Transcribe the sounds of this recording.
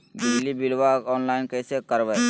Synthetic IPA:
bɪd͡ʒlibilʋakɔːnlaːɪnkɛːsekəɾʋɛ

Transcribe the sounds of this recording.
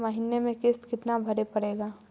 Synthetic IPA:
məɦɪnemẽkɪst̪kɪt̪nabʱɐɾepɐɽeːɡaː

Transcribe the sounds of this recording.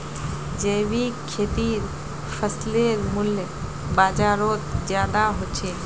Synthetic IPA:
d͡ʒeːbikʰet̪iːɾ | pʰəsleɾmʊljə | baːd͡ʒaːɾoːt̪d͡ʒjaːd̪aɦot͡ʃʰeː

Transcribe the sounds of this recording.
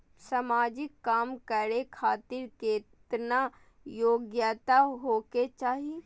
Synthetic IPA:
samaːd͡ʒɪkːaːmkəɾekʰaːt̪ɪɾkeːt̪na | joːɡjat̪aɦoːket͡ʃaːɦie

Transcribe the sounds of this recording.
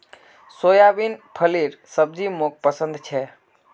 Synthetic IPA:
sojabinpʰəliɾsəb̚d͡ʒimok̚pəsə̃nd̪t͡ʃʰɛ

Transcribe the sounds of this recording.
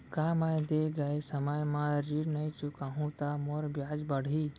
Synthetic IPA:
kaːmãjd̪eːɡəesəməjmãɾiɽnɐĩt͡ʃʊkaːɦũt̪aːmoɾbjaːd͡ʒbəɽ̤iː

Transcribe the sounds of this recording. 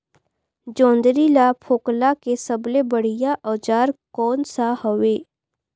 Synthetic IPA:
d͡ʒɔ̃ːnd̪ɾilapʰoːklakesəblebəɽ̤ijaʔɔːd͡ʒaːɾkɔːnsahoʋeː

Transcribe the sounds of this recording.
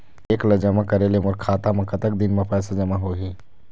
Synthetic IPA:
eːklɐd͡ʒəmakɐɾelemʊɾkʰaːt̪amɐ̃kɐt̪ək̚d̪ɪnmẽpɛːsad͡ʒɐmaɦoːɦiː

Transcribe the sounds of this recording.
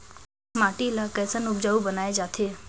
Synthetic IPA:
maːʈilakəːsənʊb̚d͡ʒaːubənaːed͡ʒaːt̪ʰeː

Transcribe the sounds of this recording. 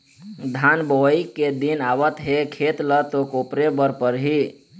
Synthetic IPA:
d̪ʱanbəikːed̪inaʋət̪ɦekʰet̪lət̪okopɾebəɾpəɾɦi

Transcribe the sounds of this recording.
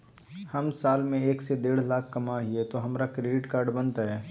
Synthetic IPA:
hɐmsaːlmẽeːksed̪eːɽ̤laːkʰkɐmaɦiɛt̪oɦɐmɾakɾeːɖɪʈkaːɾɖbɐ̃nt̪aɦɛː

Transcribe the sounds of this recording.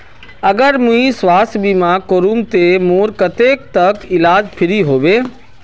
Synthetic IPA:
ɐɡəɾmũĩsʋaːstbiːmãkoːɾuːmt̪emoːɾkɐt̪eːk̚t̪ɐkɪlaːd͡ʒpʰɪɾiɦoːʋeː

